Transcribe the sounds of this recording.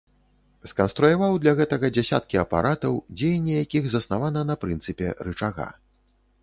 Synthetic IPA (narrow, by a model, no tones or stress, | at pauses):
skɐnst̪ɾujavawd̪lʲɐɣɛt̪ɐɣɐd͡zʲasʲa̰t̪̚kʲiɐpa̰ɾʔat̪ɐwd͡zʲejɛnʲːɛjakʲiɣzɐsnavanɐnɐpɾɨnt̪sɨpʲɛ̰ɾɨt͡ʂaɣa̰